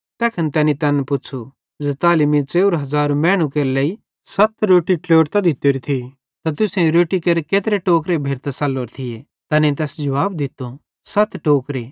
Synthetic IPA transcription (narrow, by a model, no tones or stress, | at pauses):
t̪ɛːkʰɐnt̪ɛːnit̪ɐnpʊt͡ʃʰu | d͡zet̪aːlɪmit͡ʃeːʊɾɦɐzaːɾmɛːɽ̃ũkeːɾlɛi | sɐt̪ʰɾoːʈiʈloːʈt̪ɐd̪ɪt̪ːoɾit̪ʰi | t̪ɐt̪ʊsẽɾoːʈikeːɾkeːt̪ɾeʈoːkɾebʱeːɾt̪asɐlːoːɾt̪ʰɪe | t̪ɐnẽt̪̬ɛːsd͡ʒɐʋaːbd̪ɪt̪ːo | sɐt̪ʰʈoːkɾe